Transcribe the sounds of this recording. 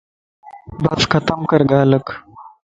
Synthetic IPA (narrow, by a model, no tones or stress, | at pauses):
bɐsxɐt̪ɐmkɐɾɡaːlək